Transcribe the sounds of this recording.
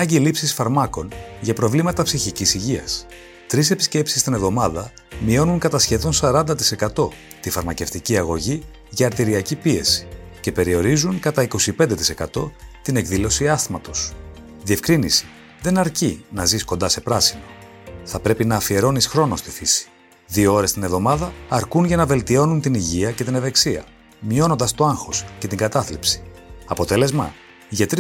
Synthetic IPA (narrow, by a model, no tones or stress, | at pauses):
nɐɲɟilipsisfɐɾmɐko̞nʝɐpɾo̞vlimɐt̪ɐpsiçicisiʝiɐ̰s | t̪ɾise̞pisce̞psi̥st̪inevðo̞mɐðɐ | mio̞nuŋkɐt̪ɐsçe̞ðo̞nsɐɾɐnd̪ɐt̪i̥se̞kɐt̪o̞ | t̪ifɐɾmɐce̞ft̪iciɐɣo̞ʝi | ʝɐːɾt̪iɾiɐcipie̞si̥ce̞pe̞ɾio̞ɾizuŋkɐt̪ɐiko̞sipend̪e̞t̪ise̞kɐt̪o̞t̪ine̞kðilo̞siɐstmɐt̪o̞s | ðie̞fkɾinisi̥ | ðe̞nɐɾcinɐziskond̪ɐse̞pɾɐsino̞ | θɐpɾe̞pinɐːfie̞ɾo̞nisxɾo̞nost̪ifisi̥ | ðio̞o̞ɾe̞st̪ine̞vðo̞mɐðɐːɾkunʝɐnɐve̞lt̪io̞nunt̪iniʝiɐce̞t̪ineve̞ksiɐ̰ | mio̞no̞nd̪ɐst̪o̞ɐŋxo̞sce̞t̪iŋɡɐt̪ɐθlipsi̥ɐpo̞t̪e̞le̞zmɐ̰ | ʝɐt̪ɾi